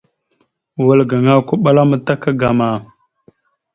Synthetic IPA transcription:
wa˨lɡa˨ŋa˦kʷu˦ɓa˦la˦mə˨ta˦ka˦ɡa˨ma˨

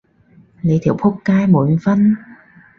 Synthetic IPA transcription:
lə˨˦jt̪ʰḭ˨˦wpʰo˦˥p̚kaː˧jmo˨˩˦nvə˧n

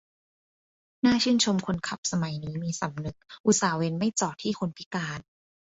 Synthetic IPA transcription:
naː˥˩t͡ɕʰɯː˥˩nt͡ɕʰo˧mkʰo˧nkʰa˨˩p̚sa˧ma˨˩jniː˦˥miː˧sa˩˦mnɯ˨˩k̚ʔu˨˦˩saː˩˦we˧nma˥˩jt͡ɕɔː˨˩t̪ʰiː˥˩kʰo˧npʰi˦˥kaː˧n

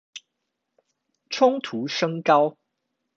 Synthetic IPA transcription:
ʈ͡ʂʰʊ˥ŋt̪ʰu˨˦ʂɤ˥ŋkɑ˦ʊ

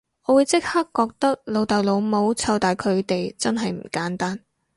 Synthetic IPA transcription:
ʔɔː˨˧wuː˨˧jt͡sɪ˥k̚ha˥kːɔː˧k̚t̪ɐ˥k̚lo˨˧wt̪ɐ˨wlo˨˧wmo˨˧wt͡sʰɐ˧wt̪aː˨jkʰɵ˨˧ɥt̪e˨jt͡sɐ˥nɦɐ˨jm̩˨˩kaː˨˥nt̪aː˥n

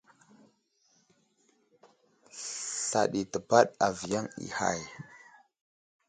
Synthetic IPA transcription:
ɬa˨ɗi˨tə˨pa˦ɗa˨vi˨ja˦ŋḭ˨ha̰˦˨j

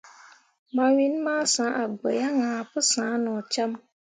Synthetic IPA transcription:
ma˨wi˦n˦maː˦sã˨˦ʔa˨ɡ͡bə˨ja˦ŋãː˨pɨ˦sãː˨˦nʊ˨t͡ʃa˦m

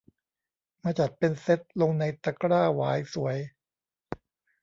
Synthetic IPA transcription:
maː˧t͡ɕa˨˩t̪̚pe˧nse˦˥t̪̚lo˧ŋna˧jt̪a˧kɾaː˥˩waː˩˦jsu˩˦əj

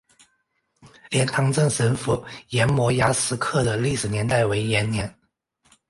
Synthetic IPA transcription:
ljɛ˧˥nt̪ʰɑ˧˥ŋʈ͡ʂə˥˩ŋʂə˧˥nfu˧˩jɛ˧˥nmwɔ˧˥ja˧˥sɹ̩˧˥kʰɤ˥˩d̪ə˩li˥˩ʂɻ̩˨˩njɛ˧˥nt̪a˥˩ɪwe˧˥ɪjɛ˧˥nnjɛ˧˥n

